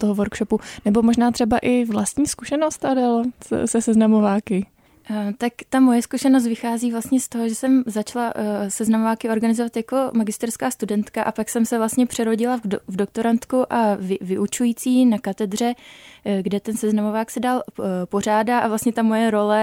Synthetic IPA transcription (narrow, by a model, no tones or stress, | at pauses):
t̪oɦovoɾkʃopunɛbo̞moʒnaːt̪r̥ɛbaʔɪvlast̪ɲiːskuʃɛnost̪adɛlsɛsɛznamovaːkɪ | t̪akt̪amo̞jɛskuʃɛnos̬t̪vɪxaːziːvlast̪ɲɛst̪o̞ɦoʒɛsɛmzat͡ʃlasɛznamovaːkɪo̞ɾɡanɪzovat̪jako̞maɡɪst̪ɛɾskaːst̪udɛnt̪kaʔapaksɛmsɛvlast̪ɲɛpr̝̥ɛɾo̞ɟɪlavdok̚t̪o̞ɾant̪kuʔavɪvɪʔut͡ʃujiːt͡siːnakat̪ɛdr̝ɛ | ɡdɛt̪ɛnsɛznamovaːksɛdalpo̞r̝aːdaʔavlast̪ɲɛt̪amo̞jɛɾo̞lɛ